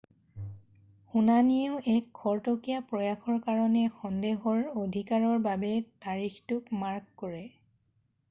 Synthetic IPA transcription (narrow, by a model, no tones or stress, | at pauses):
xunanioʊʔɛkʰːɔɹtokijapɹɔjaxɔɹkaɹɔnɛxɔndeɦɔɹodʱikaɹɔɹbabɛtaɹixtʊkmaɹkːoɹɛ